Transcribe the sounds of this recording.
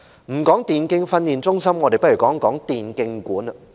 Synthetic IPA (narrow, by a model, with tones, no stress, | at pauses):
m̩˨˩kɔː˨˥ŋt̪iː˨nkɪ˧ŋfɐ˧nːiː˨˩nt͡sʊ˥ŋsɐ˥mŋɔː˨˧ɾe˨jpɐ˥t̚ɥy˨˩kɔː˨˥ŋkɔː˨˥ŋt̪iː˨nkɪ˧ŋkuː˨˥n˧